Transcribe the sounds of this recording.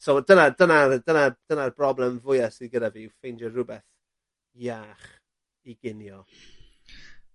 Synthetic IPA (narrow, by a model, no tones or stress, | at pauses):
sodənadənadənad̥ənarbrɔblˠɛmvʊjasiðɡədaviːfejnd͡ʒəːʊbɛθ | jaːχ | iɡɪnjɔ